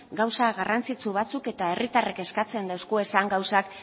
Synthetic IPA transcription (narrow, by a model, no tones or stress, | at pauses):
ɡawsaɣarant͡sit͡suβat͡suke̞t̪ae̞rit̪areke̞skat͡se̞nd̪awskue̞saŋɡawsak